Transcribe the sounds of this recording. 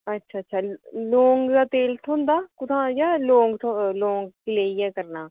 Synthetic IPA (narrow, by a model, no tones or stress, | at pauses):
ətːʃʰaːətːʃʰaːloːŋɡd̪aːt̪eːlʈ̪ʰõːnd̪aːkʊt̪ʰãːjaːlõːŋɡʈʰolõːŋɡ̚kɪleːiɛːkəɾnaː